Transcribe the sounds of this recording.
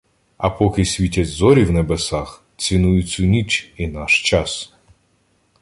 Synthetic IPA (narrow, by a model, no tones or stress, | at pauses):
ɐpɔkɪsʲʋʲitʲɐtʲzɔɾʲiwnebesɑx | t͡sʲinujʊt͡sʲʊnʲit͡ʃinɑʃt͡ʃɑs